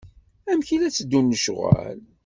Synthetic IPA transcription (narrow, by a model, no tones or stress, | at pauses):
æmçilæt͡sːəd̪ːunːəʃʁæ̰l